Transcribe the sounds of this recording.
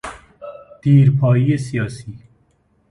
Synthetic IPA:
d̪̥iːɾpʰɑːiːesijɑːsiː

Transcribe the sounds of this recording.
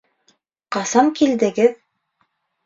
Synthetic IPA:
qɑsɑmkild̪ɘ̆ɡɘð

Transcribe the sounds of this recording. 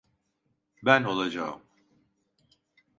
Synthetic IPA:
bæno̞lˠad͡ʒa̰m

